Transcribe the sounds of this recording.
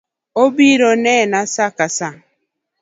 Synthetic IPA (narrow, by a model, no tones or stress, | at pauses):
obiɾonɛnasakasa